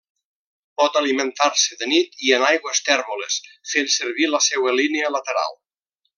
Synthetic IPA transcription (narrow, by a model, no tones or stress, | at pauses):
pɔt̪aliment̪aɾseðənit̪ienajɣwest̪ɛɾβolesfensəɾβiləsɛwəlineələt̪eɾa̰lˠ